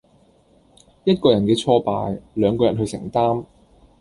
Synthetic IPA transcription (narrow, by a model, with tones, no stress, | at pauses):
jɐ˥t̚kɔː˧jɐ˨˩nkɛː˧t͡sʰɔː˥pa̰ː˧jlœː˨˧ŋkɔː˧jɐ˨˩nɦɵ˧ɥsɪ̰˨˩ŋt̪aː˥m